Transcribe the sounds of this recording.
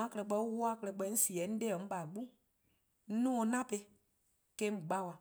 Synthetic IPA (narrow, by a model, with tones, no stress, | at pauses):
ã˨˦kɛ˧ɛ˨k͡pɛ˧˦wu˦a˦kɛ˧lɛ˨k͡pɛ˧˦n̩˦si˨ɛ˨˦n̩˦dɛ˦ɔ̃˨ŋ̩̃˦ɓa˨ɡ͡bu˦ | n̩˦nũː˦o˧nã˦pe˧ | kɛ˧˦m̩˨ɡ͡ba˦˨wa˨